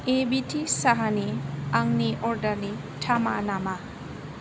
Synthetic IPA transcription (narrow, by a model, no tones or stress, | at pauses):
ebitʰisaɦaniaŋniʔɔɾdɐɾni | tʰama̰nama